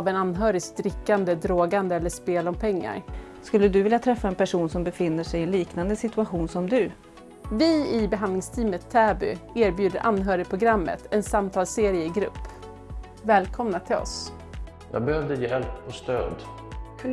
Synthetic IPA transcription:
vɛnanːɦœːɾɪst̪ɾɪkːand̪əd̪ɾoːɡand̪əɛlːəʂpeːlɔmpʰɛŋːa̰ɾ | skɵlːəd̪ɵvɪljat̪ʰɾɛfːaɛnpʰæʂuːnsɔmbɛfɪnːəʂɛjɪɛnliːknand̪əsɪt̪ɵaɧuːnsɔmd̪ɵ | vɪɪbɛɦand̪lɪŋst̪ʰiːmət̪ʰːɛːbʏeːɾbjʉ̟ːd̪əɾʔanːɦœːɾɪpʰɾʊɡɾamːə̰t̪ʰɛnsamt̪ʰɑːlseːɾɪjəɪɡɾɵ̰pː | vɛːlkʰɔmnat̪ʰɪlɔ̰s | jɑ̰ːɡ̚bɛhœvd̪əjeːɛlpːɔst̪ø̰ːd̪ | kʰ

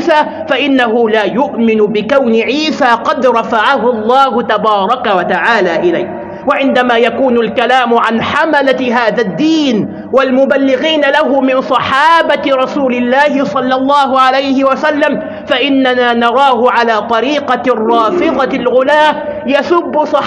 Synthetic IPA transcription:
saː | faʔɪnːaɦʊlaːjʊʔmɪnʊbɪkawnɪʕiːsaːqɑd̪ɾˤɑfaʕaɦʊlˤːɑːhʊt̪abɑːɾˤɑkawat̪aʕaːlaːʔɪlajh | waʕɪnd̪amaːjakuːnalkalaːmʊʕanħamalaɦaːðad̪ːiːn | walmʊbalːɪɣiːnalaɦʊmɪnsˤɑħɑːbaɾˤɑsuːlɪlːaːhɪsˤɑlːɑlˤːɑːɦʊʕalajhɪwasalːam | faʔɪnːanaːnɑɾˤɑːɦʊʕalaːt̪ˤɑɾiːqɑrˤːɑːfɪðˤɑlɣʊlaː | jasʊbːʊsˤɑ

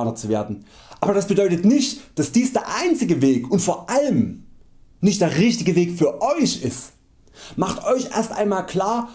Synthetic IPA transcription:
nɐt͡suveːɐdn̩ | ʔaːbɐd̥asb̥ədɔʏtətnɪçtd̥asd̥iːsd̥eːɐʔaɪnt͡sɪɡəveːkʊntfoːɐʔaləm | nɪçtd̥eːɐʁɪçtɪɡəveːkfyːɐʔɔʏçɪst | maχtʔɔʏçʔḛːɐstʔa̰ɪnmaːlkl̥aːɐ

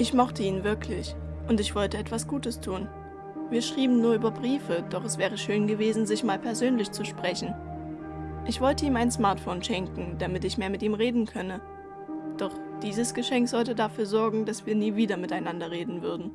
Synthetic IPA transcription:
ʔɪçmɔχtəiːnvɪɐkʰlɪç | ʔʊntɪçv̥ɔltəɛtv̥asɡ̥uːtəstʰuːn | viːɐʃʁ̥iːbm̩nuːɐʔyːbɐbʁiːfəd̥ɔχɛsv̥ɛːʁ̞əʃøːnɡəveːzn̩zɪçmaːlpʰɛɐzøːnlɪçt͡suʃpʁ̥ɛçn̩ | ʔɪçv̥ɔltəiːmaɪnsmaɐtfoːnʃɛŋkŋ̩d̥amɪtɪçmeːɐmɪtiːmʁeːdn̩kʰœnə | d̥ɔχd̥iːzəsɡ̥əʃɛŋkz̥ɔltədafyːɐzɔɐɡŋ̩dasv̥iːɐniːviːdɐmɪtaɪnandɐʁeːdn̩vʏɐdn̩

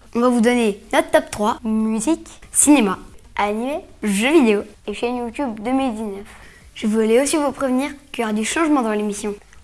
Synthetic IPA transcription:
ɔ̃vavud̪ɔnenɔt̪t̪ːɔpt̪χwamyziksinemaʔanimeʒøvid̪eoeʃɛnjut̪ʲybd̪əmild̪iznœf | ʒəvulɛosivupχevniʁkjɔʁad̪yʃɑ̃ʒmɑ̃d̪ɑ̃lemisjɔ̃

